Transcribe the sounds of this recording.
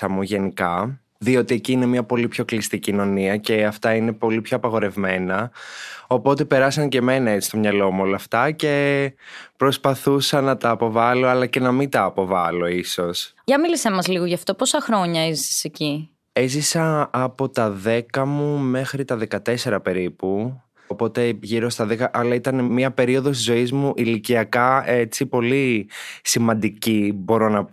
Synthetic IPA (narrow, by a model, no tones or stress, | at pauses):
ɐmuʝe̞nikɐ | ðio̞t̪ie̞ciːne̞miɐpo̞lipço̞klist̪icino̞niɐce̞ɐft̪ɐine̞po̞lipço̞ɐpɐɣo̞ɾe̞vme̞nɐ | o̞po̞t̪e̞pe̞ɾɐsɐŋce̞me̞nɐet͡si̥st̪o̞mɲɐlo̞muo̞lɐft̪ɐce̞ | pɾo̞spɐθusɐnɐt̪ɐːpo̞vɐlo̞ɐlɐce̞nɐmint̪ɐːpo̞vɐlo̞iso̞s | ʝɐmilisemɐzliɣoʝɐft̪oposɐxɾo̞ɲɐezsi̥seci | ezisɐːpo̞t̪ɐðe̞kɐmume̞xɾit̪ɐðe̞kɐt̪e̞se̞ɾɐpe̞ɾipu | opo̞t̪e̞ʝiɾo̞st̪ɐðekɐʔɐlɐit̪ɐnemiɐpe̞ɾio̞ðo̞st̪izo̞izmuʔiliciɐkɐe̞t͡sipo̞lisimɐnd̪icibo̞ɾo̞nɐ